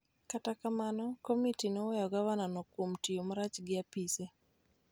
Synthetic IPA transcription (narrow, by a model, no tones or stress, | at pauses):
katakamanɔkomitinɔwɛjɔɡawananɔkwomtijomaɾat͡ʃɡɪapise